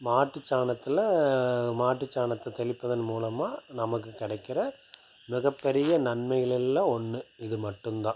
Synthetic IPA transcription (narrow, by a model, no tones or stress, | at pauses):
maːʈːɯt͡ʃːaːnɐt̪ːɪlɐmaːʈrɯt͡ʃːaːɳɐt̪ːɐt̪ɛɭɪpːɐðɯnmuːlɐmaːnɐmɐk̬ːɯkːɪɽɐɪkːɪɾɐ | mɪɣɐpːɛɾɪjɐnɐnmɐjɐlɪlːãːɔnːɯɪðɯmɐʈːɯmd̪ãː